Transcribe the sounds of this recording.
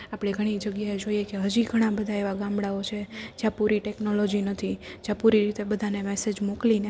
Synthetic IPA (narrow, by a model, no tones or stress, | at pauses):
apɽ̃eɡʱəɽ̃id͡ʒəɡjaed͡ʒoijekeɦəd͡ʒiɡʱəɽ̃ãbəd̪ʱaeʋaɡãmɽaot͡ʃʰed͡ʒjãpuɾiʈɛknolod͡ʒinət̪ʰid͡ʒjãpuɾiɾit̪ebəd̪ʱanemɛsed͡ʒmokline